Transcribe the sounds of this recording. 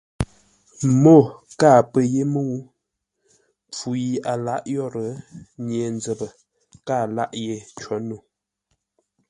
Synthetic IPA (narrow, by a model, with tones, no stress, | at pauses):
mo˦˨ | kaː˦˨pə˨je˦mə˦u˦ | p͡fu˨i˦a˨la˦ʔjɔ˦ɾə˨˦ɲe˨nd͡zə˨bə˨ | kaː˦˨la̰˦ʔje˨t͡ʃɔ˨˦nu˨